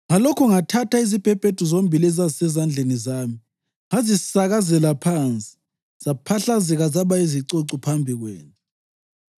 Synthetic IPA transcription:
ŋalɔkʰɔŋatʰataizib̥ʱɛb̥ʱed̥ʱuzombʱilɛzazisɛzand͡ɮʱenizaːmi | ŋazisaɣazɛlapʰant͡sʼi̥ | z̥apʰaɬazɛɣazaβaiziǀoǀupʰambʱiɣwɛ̰ːnʼɛ

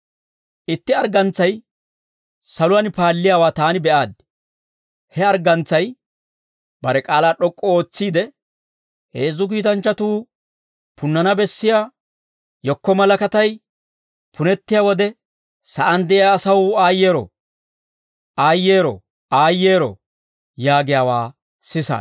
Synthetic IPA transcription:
ʔɪt̪ːɪɐɾɡɐnt͡sːɐj | sɐlʊwɐnpaːlːɪjaːwaːt̪aːnɪbɛʔaːd̪̚ | hɛɐɾɡɐnt͡sːɐj | b̥ɐɾɛkʼaːlaːɗɔkʼːɔo̞ːt͡sːiːd̪ɛ | heːzːʊk̬iːt̪̬ɐnt͡ʃːɐt̪uː | pʊnːɐnɐbɛsːɪjaː | jɔkːɔmɐlɐkɐt̪ɐj | pʰʊnɛt̪ːɪjaːwɔd̪ɛ | sɐʔɐnd̪ɛʔɪjaːsɐwaːjːe̞ːɾɔ̰ | ʔaːjːeːɾɔ̰ | aːjːe̞ːɾɔ̰ | jaːɡɪjaːwaː | sɪsa̰ː

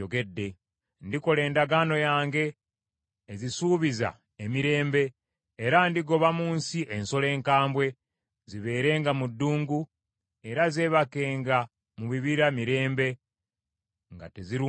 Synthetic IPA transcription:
oɡe̞dːe̞ | ndiko̞le̞ːndaɡaːno̞jaːŋɡe̞ː | zisuːβiza̰ | emiɾe̞ːmbe̞ː | ɾandiɡo̞βamuːnsiʔe̞nso̞le̞ːŋkaːmbwe̞ | ziβe̞ːɾe̞ːŋɡamudːuːŋɡu | e̞ɾaze̞ːβake̞ːŋɡa | muβiβiɾamiɾe̞ːmbe̞ | ŋɡa̰teziɾi

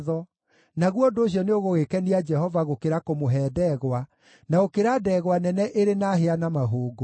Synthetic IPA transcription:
ðɔ | naɣwɔdoːɕjɔneoɣoɣekɛniad͡ʒɛɦɔvaɣokeɾakomoɦɛːdɛɣwa | naɣokeɾadɛːɣwanɛnɛʔeɾenaɦeanamaɦoːɡo

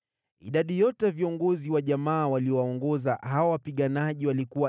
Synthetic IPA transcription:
ḭɗaɗijɔtɛviɔŋɡɔziwaʄamaːwaliɔwaɔŋɡɔzahawawapiɠanaʄiwalikuwa

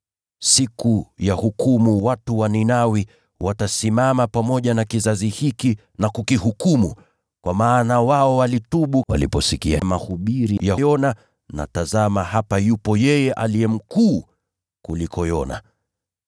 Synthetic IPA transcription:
sikujahukumuwatuwaninawi | watasimamapamɔʄanakizazihiki | nakukihukumṵ | kwamaːnawaɔwalituɓuwa̰lḭpɔsikiamahuɓiɾijajɔna | na̰tazamahapajupɔjɛjɛʔaliɛm̩kuː | kulikɔjɔna̰

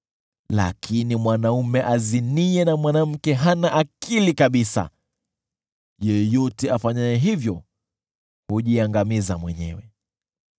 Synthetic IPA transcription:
la̰kʰinimwanaumɛʔaziniɛnamwanam̩kɛɦanaʔakʰilikaɓisa̰ | jɛjɔtɛafaɲajɛɦivjɔ | huʄiaŋɡamizamwɛɲɛ̰wɛ

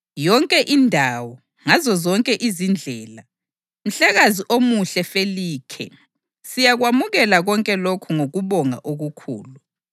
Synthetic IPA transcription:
jɔŋkʼɛʔindʱawɔ | ŋazɔzɔŋkʼɛʔizind͡ɮʱɛːla | m̩ɬaɣaziʔomuɬɛfeliːkʰɛ̰ | sijaɣwamuɣɛlaɣɔŋkʼɛlokʰuŋoɣuβɔŋa̰ʔoɣukʰṵːlu

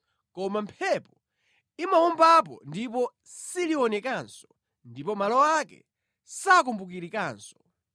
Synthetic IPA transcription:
kɔmampʰɛpɔ | imaumbap̬ɔ̰ndipɔ | siliɔnɛkansɔ̥ | ndipɔmalɔakɛ̰ | sakumbuk̬iɾikaːnsɔ̥

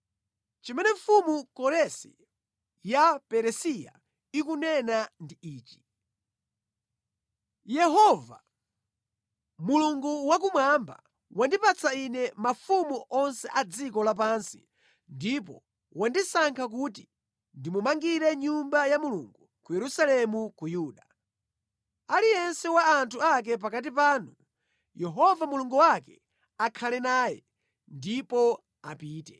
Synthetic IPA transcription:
t͡ʃimɛnɛɱfumukɔɾɛsḭ | japɛɾɛsija̰ | ik̬unɛnandiiːt͡ʃi̥ | jɛɦɔva̰ | muluŋɡuwak̬umwamba̰ | wandipat͡sainɛmafumuʔɔnsɛʔad͡zikɔlap̬ansi̥̰ | ndip̬ɔ̰ | wandisaŋkʰak̬ut̬i | ndimumaŋɡiɾɛɲumbajamuluŋɡukujɛɾusalɛmukujuːɗa | alijɛnsɛwaːntʰuak̬ɛp̬akat̬ip̬aːnu | jɛɦɔvamuluŋɡuwakɛ | akʰalɛnaːjɛ̰ | ndipɔ | apiːtɛ

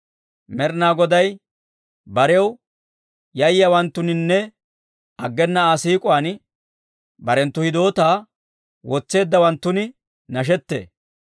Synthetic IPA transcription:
mɛɾnaːɡɔd̪ɐj | bɐɾɛw | jɐjɐwɐnt̪ːʊnɪnːɛ | ɐɡːɛnːɐaːsiːkʼʊaːn | bɐɾɛnt̪ːʊhɪd̪o̞ːt̪aː | wɔt͡sːe̞ːd̪ːɐwɐnt̪ːʊnɪ | nɐʃ̬ɛt̪ːḛː

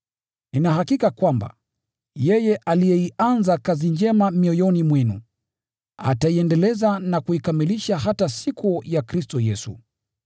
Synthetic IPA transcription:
ninaɦakikakwamba̰ | jɛjɛʔalijɛianzakazind͡ʒɛmamiɔjɔnimwɛnṵ | a̰taiɛndɛlɛzanakuikamiliʃaɦatasikujakɾistɔjɛsṵ

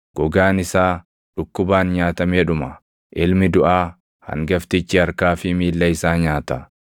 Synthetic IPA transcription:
ɡ̥ɔɡaːnɪsaː | ᶑʊkːʊbaːnɲaːt̪ɐmeːᶑʊmɐ | ʔɪlmɪd̪ʊʔaː | hɐ̰ŋɡɐft̪ɪt͡ʃːɪɐɾkaːfɪmiːlːɐɪsaːɲaːt̪ɐ

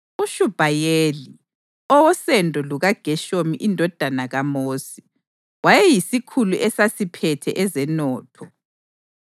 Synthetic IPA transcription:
uʃub̥ʱajeːli | ɔwɔsɛndʱɔluɣaɡ̥ʱɛʃomiʔindʱɔd̥ʱanaɣamoːsi̥ | wajɛjisikʰuluʔɛsasipʰɛtʰɛʔɛzɛnɔːtʰɔ

